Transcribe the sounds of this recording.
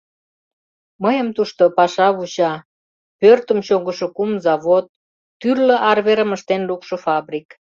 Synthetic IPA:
məjəmt̪uʃt̪opɑʃɑβut͡ɕɑ | pørt̪əmt͡ɕoɣəʃokumzɑβot̪̚ː | yrlə̆ʔɑrβeɾəməʃt̪enlukʃofɑbrik

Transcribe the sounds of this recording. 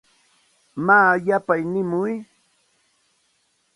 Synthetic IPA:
maːjapajnɪmʊj

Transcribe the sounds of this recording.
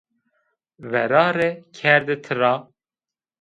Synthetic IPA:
vɛɾɑːɾekʰɛɾd̪ɨt̪ʰɨɾɑː

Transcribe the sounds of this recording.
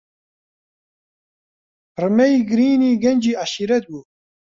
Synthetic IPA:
pɾmejɡɾiːniːɡend͡ʒiːaʃiɾet̪̚buː

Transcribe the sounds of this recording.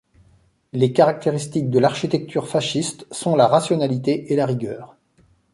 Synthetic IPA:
lekaʁak̚t̪eʁist̪ik̚d̪əlaʁʃit̪ɛk̚t̪ʰyʁfaʃist̪sɔ̃laʁasjɔnalit̪eʔelaʁiɡʲœːʁ

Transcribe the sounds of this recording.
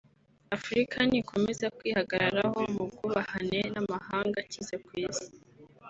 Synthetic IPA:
afuɾikʰanikʰo̞mezakwiːhaɡaɾaɾaho̞mubɡuβahane̞namahaːŋɡacizekwiːzi̥

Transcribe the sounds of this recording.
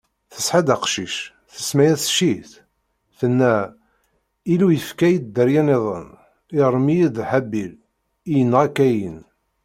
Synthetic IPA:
θəsħad̪aqʃiʃ | θə̥smæjæθʃiθ | θənːæ | ilujəfkæjid̪d̪ːəɾjæneðˤə̰n | iʁɾmijid̪ħæbːil | ijənːʁakæjən

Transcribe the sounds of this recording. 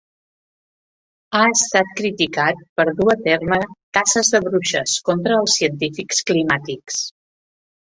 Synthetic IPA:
aəst̪at̪̚kɾit̪ikat̪̚pəɾðuət̪ermək̪asəzðəβɾuʃə̰skɔnt̪ɾəːlˠsːiənt̪ifiksklimat̪iks

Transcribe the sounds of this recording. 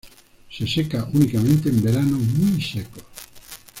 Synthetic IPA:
sesekaʔunikament̪embeɾanomisɛkol

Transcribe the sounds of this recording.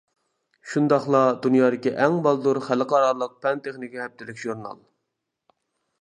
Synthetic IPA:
ʃund̪ɑχlˠɑd̪unjɑːd̪ɪkʲiʔɛŋbɑlˠd̪uɾχælɨqʰɑɾɑɾlˠəq̚pʰɛnt̪ʰeχnɪkʲihɛp̚t̪ʰɪlɪkʲʒ̥uɾnɑ̰lˠ

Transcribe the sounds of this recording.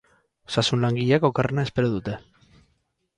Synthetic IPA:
sasunlaŋɡiʎakokernaespeɾoðut̪e̞

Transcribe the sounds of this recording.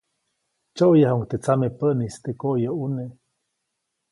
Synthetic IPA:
t͡ʃoʔjahuŋt̪et͡samepəʔnist̪ekoʔjoune

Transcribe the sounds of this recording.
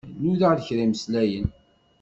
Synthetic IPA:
nuðaʁðəçɾiməslæjən

